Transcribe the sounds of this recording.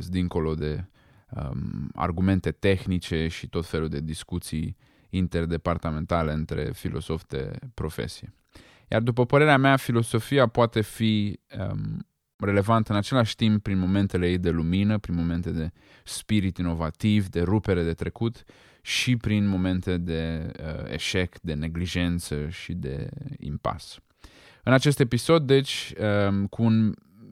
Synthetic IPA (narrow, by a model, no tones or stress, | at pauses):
d̪iŋko̞lo̞d̪e̞ | ə̰a̰rɡume̞nt̪e̞t̪e̞xnit͡ʃe̞ʃit̪o̞t̪fe̞lud̪e̞d̪iskut̪sij | int̪e̞rd̪e̞part̪ame̞nt̪ale̞ɨnt̪ɾe̞̰filʔo̞̰so̞fd̪ḛpɾo̞fe̞̰siḛ | ja̰rd̪upəpəɾe̞ɾeameafilo̞so̞fiapoat̪e̞fi | re̞le̞vant̪əɨnat͡ʃe̞laʃʲt̪imp̚pɾinmo̞me̞nt̪ele̞jejd̪e̞luminəpɾinmo̞me̞nt̪e̞d̪e̞ | spiɾit̪ino̞vat̪ivd̪e̞ɾupe̞ɾe̞d̪e̞t̪ɾe̞kut̪ | ʃipɾinmo̞me̞nt̪e̞d̪e̞əḛʃe̞kd̪e̞ne̞ɡliʒe̞nt̪səʃid̪e̞̰ḭmpa̰s | ɨnat͡ʃe̞st̪e̞piso̞d̪ːe̞t͡ʃʲəkʰuːn